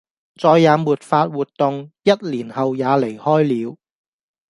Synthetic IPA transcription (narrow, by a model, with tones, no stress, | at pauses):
t͡sɔː˨˧jːaː˨˧˥muː˨t̚faː˧t̚wuː˨˩t̚t̪ʊ˨ŋjɐ˥t̚liː˨˩nhɐ˨wjaː˨˧le˨˩jhɔː˥jliː˨˧w